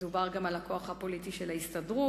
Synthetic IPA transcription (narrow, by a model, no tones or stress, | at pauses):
dubaʁɡamalako̞aχhapo̞litiʃelaist̪adʁu